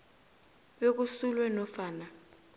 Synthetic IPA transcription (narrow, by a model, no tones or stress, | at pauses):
ɓek̬usulwɛnɔfaːna